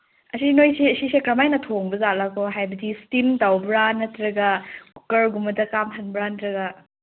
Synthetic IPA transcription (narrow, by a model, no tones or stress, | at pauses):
ɐsinojseɐsisekɾɐmajnɐtʰoŋbɐzalakʰoɦajbɐdistimtawbɾanːɐtɾɐɡɐku̥kɐɾɡumɐdɐkamhʰɐnbɾantɾɐɡɐ